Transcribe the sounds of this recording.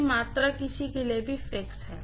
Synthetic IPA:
maːt̪ɾakɪsikeliebʱifɾeːksɦɛː

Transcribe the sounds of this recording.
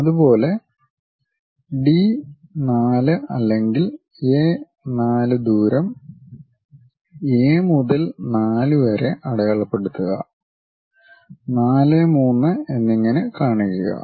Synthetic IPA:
ɐðubo̞ːle̞ | ɖinaːlɨʔɐ̰lːe̞ŋɡil | eː | naːlɨd̪uːɾɐm | eːmuðɐlnaːluʋɐɾeʔɐɽɐɐɭɐpːe̞ɽut̪ːuɣɐ̰ | naːlemuːnːɨe̞nːiŋːɐnekaːɳikːuɣɐ̰

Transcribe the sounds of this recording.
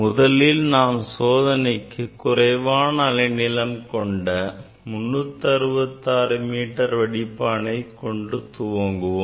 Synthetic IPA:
mʊðɐlɪlnaːmsoːðɐnɐɪkːɯkːʊrɐɪʋaːnɐːlɐnɪlɐmkɔɳɖɐ | mʊnːɯt̪ːɐɾɯʋɐt̪ːaːɾɯmiːʈːɐɾʋɐɽɪpːaːnɐɪkɔɳɖɯt̪ʊʋoŋɡɯʋoː

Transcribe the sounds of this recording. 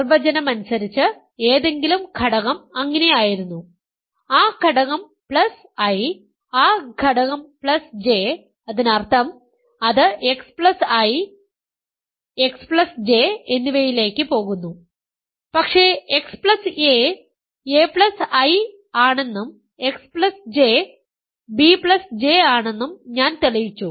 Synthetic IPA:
rʋɐd͡ʑɐnɐmɐnusɐɾit͡ɕːɨ | eːðe̞ŋɡilumɡʱɐɽɐɣɐmɐŋːɐne̞jaːjiɾunːu | aːɡʱɐɽɐɣɐm | pɭɐs | ɐj | aːɡʱɐɽɐɣɐmpɭɐsd͡ʑe̞ | ɐðinɐrt̪ʰɐm | ɐðɨʔe̞kspɭɐsaːji | ekspɭɐsd͡ʑe̞enːiʋejile̞ːkːɨpo̞ːɣunːu | pɐkʂe̞ːekspɭɐse | eːpɭɐsɐj | aːɳe̞nːum | e̞kspɭɐsd͡ʑeː | bipɭɐsd͡ʑe̞ːaːɳe̞nːumɲaːnt̪ilɐjit͡ɕːu

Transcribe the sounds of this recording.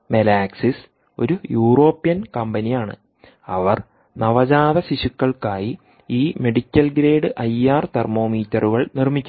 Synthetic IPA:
melaːksis | o̞̰ɾujuːro̞ːpːijɐnkɐmbɐnijaːɳɨ̰ | ɐʋɐr | nɐʋɐd͡ʑaːðɐɕiɕukːɐɭkaːji | iːme̞ɽikʲːɐlɡɾe̞ːɽɨʔɐjaːrt̪ermo̞ːmiːtːɐruɣɐɭnirmikʲːu

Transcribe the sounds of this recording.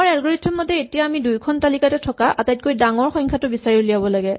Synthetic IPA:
aɹɛlɡɔɹitʰːumɔtɛetijaːmidujkʰɔntalikatɛtʰɔkaʔatajt̚kojdaŋɔɹxɔŋkʰatʊbisaɹiʊlijabɔlaɡɛ

